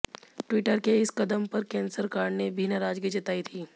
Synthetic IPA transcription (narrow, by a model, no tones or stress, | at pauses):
ʈwɪʈəɾkeɪskɐd̪əmpɐɾkɛ̃ːnsəɾkaːɽnebʱiːnaɾaːd͡ʒkid͡ʒɐt̪aːit̪ʰiː